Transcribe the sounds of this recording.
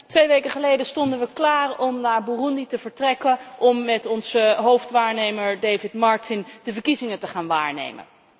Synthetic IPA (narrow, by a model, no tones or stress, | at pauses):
tʋejʋejkəχəlejdəstɔndənʋəklaːrɔmnaːɹbuːrunditəvəɹtrɛkəʔɔmːɛtɔnzəɦowftʋaːɹnejməɹdejvɪtmɑɹtɪndəvəɹkizɪŋətəχaːnʋaːɹnḛjmə̰n